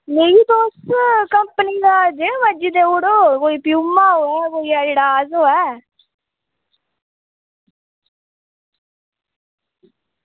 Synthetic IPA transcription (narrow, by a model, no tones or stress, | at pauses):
neːiːt̪oːʊskəmpəniːd̪aːd͡ʒeʋəd͡ʒiːd̪eːʊɽoːkoːiːpɪjuːmːaːɦoːɛːkoːiːaɪɽaːzɦoːɛː